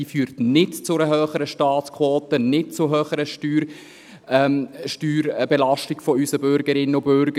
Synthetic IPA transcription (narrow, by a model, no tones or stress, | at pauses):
iːfyːɾtnɪtt͡sʊɾəɦøːχəɾəʃtɑːtt͡skʰwɔːtənɪt̚t͡sʊɦøːχəɾəʃtyɾ | ʃtyːɾbelɑʃtɪɡ̥fɔysəbʏɾɡəɾɪnəʊbʏɾɡə